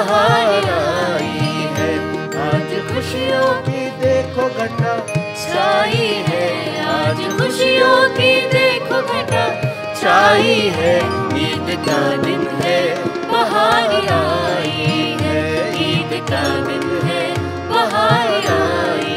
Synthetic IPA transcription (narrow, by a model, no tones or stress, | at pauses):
ɦaːnaiɦɛ | aːd͡ʒxʊʃijõkid̪eːkʰoɡʱɐt̪a | saːiɦɛaːd͡ʒxʊʃijõk̪id̪eːkʰoɡʱɐt̪a | saːiɦɛ | iːd̪kad̪ɪlɦɛ | mɐɦaːniaiɦɛiːd̪kad̪ɪnɦɛ | mɐɦaːnaːi